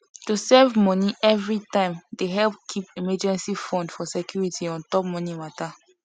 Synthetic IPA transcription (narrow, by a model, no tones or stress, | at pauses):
tusɛvmɔniʔɛvɹitãɪ̃mdeɦɛlp̚kʰipimɛd͡ʒɛ̃nsifɔ̃ndfɔsɛkʰjuɹitʰiɔ̃ntɔp̚mɔnimata